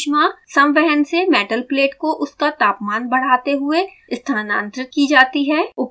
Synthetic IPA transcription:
ʃmasɐ̃mʋɛɦənsemɛːʈəlpleːʈkoʔʊskat̪aːpmaːnbɐɽ̤aːt̪eɦʊe | ɪst̪ʰaːnã̰ːnt̪ɾɪkid͡ʒaːt̪iɦɛːʊp

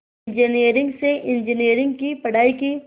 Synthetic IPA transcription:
nd͡ʒəniːɾɪ̃ŋɡseʔɪ̃nd͡ʒəniːɾɪ̃ŋɡkipɐɽ̤aːiki

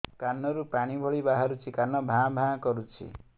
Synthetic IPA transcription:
kanːɔɾupaɽ̃ibʱɔɭibaɦaɾut͡ʃʰikanɔbʱãbʱãkɔɾut͡ʃʰḭ

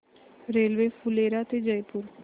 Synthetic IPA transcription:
ɾeːlʋeːfʰʊleːɾaːt̪eːd͡ʒəipʊɾ

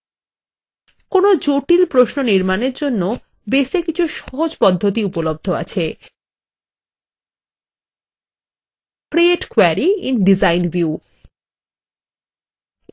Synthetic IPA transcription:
konod͡ʑoʈilpɾoʃnoniɾmaneɾd͡ʑonːo | beʃekit͡ɕʰuʃɔɦod͡ʑpɔd̪ʱːot̪iupolob̚d̪ʱoa̰t͡ɕʰe | kɾieʈkweɾiḭnɖizajnvju

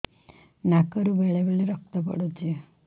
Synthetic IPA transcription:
nakəɾuʋeɭeʋeɭeɾək̚ʰt̪əpə̰ɽot̪ie

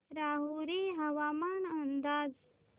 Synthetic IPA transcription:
ɾaːɦuɾiɦɐwaːmaːnɐnd̪aːz

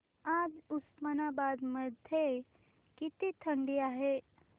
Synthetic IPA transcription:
ad͡zusmənabad̪məd̪ʱje | kit̪it̪ʰəɳɖiaɦe

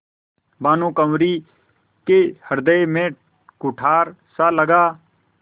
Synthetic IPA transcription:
baːnõːkəmɾiː | keːhəɾd̪əemẽː | kʊʈʰaːɾsaːləɡaː

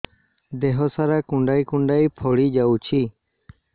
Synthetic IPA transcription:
d̪eɦɔsaɾakʊ̃ɳɖaikũɳɖajpʰɔɽid͡ʒawt͡ʃʰi

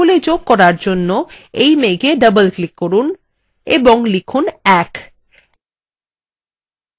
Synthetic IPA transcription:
oled͡ʑoɡ̚kɔɾaɾd͡ʑonːoejmeɡeɖəbəlklikːoɾun | eboŋlikʰunɛk

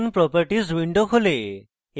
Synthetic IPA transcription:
npɾɔpaɾʈiswiɳɖokʰole

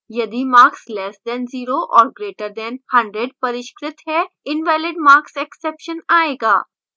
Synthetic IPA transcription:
jɐd̪imaːɾkslɛːsd̪ɛ̃nziːɾoʔɔːɾɡɾeːʈəɾd̪ɛnhɐ̃ɳɖɾeɖ̚pɐɾɪʃkɾɪt̪ɦɛɪnʋɛːlɪɖmaːɾksɛksɛːpʃənaːeːɡaː

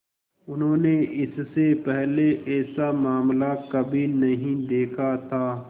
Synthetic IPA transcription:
ʊnɦõːneɪssepɛɦleʔɛːsamaːmlakɐbʱinɐɦĩd̪eːkʰat̪ʰaː

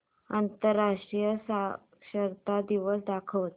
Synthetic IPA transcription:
ant̪əɾːaʂʈɾijəsa | ɕəɾt̪ad̪iʋəsd̪akʰəʋt̪

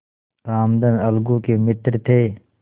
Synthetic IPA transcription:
aːmd̪ənɐlɡukemɪt̪ɾt̪ʰeː

